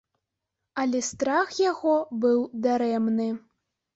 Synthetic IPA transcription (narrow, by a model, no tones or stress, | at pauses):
alʲɛst̪ɾaxjaɣɔbɨwd̪aɾɛmnɨ